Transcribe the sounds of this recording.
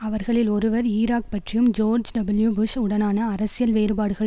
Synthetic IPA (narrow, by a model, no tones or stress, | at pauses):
ɐʋɐɾɣɐɭɪlɔɾɯʋɐɾiːɾaːk̚pɐʈrɪjɯmd͡ʒoːɾd͡ʒɖɐbɪljubʊʂʊɽɐnaːnɐːɾɐsɪjɐlʋeːɾɯbaːɽɯɣɐɭ